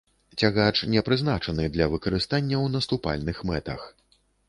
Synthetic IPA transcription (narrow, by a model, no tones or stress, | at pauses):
t͡sʲaɣat͡ʂnʲɛpɾɨznat͡ʂɐnɨd̪lʲɐvɨkɐɾɨst̪anʲːɐwnɐst̪upa̰lʲnɨxmɛt̪ɐ̰x